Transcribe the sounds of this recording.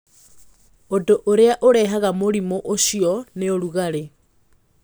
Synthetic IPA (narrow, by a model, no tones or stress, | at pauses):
odoʔoɾeaʔoɾɛɦaɣamoɾimoʔoʃiɔneoɾuɣaɾe